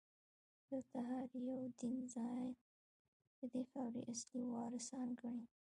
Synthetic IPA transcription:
d̪̥ət̪aɦɑɾjawd̪inzɑj | d̪̥əd̪efawɾḭʔasliwɑɾɪsɑnɡəɽi

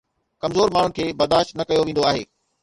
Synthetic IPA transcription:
kɐmzoːɾmaːɳ̤ʊnɪkʰeːbɐɾd̪aːʃt̪nɐkɐjoʋẽːn̆d̪oaːɦḛː

